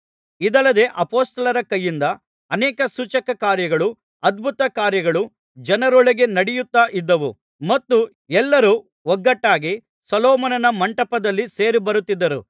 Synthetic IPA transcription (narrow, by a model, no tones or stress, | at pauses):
id̪ɐlːɐd̪e̞ːʔɐpoːst̪ɐlɐɾɐkɐjːind̪ɐː | nɛːkɐsuːt͡ʃɐkɐkaːɾjɐɡɐɭu | ɐd̪̚bʱut̪ɐkaːɾjɐɡɐɭu | d͡ʒɐnɐɾɔɭɐɡe̞nɐɽijut̪ːaːʔid̪ːɐʋṵ | mɐt̪ːu | ɛlːɐɾu | ɔɡːɐʈːaːɡi | sɔlɔːmɐnɐnɐmɐɳʈɐpɐd̪ɐlːise̞ːɾibɐɾut̪ːid̪ːɐɾṵ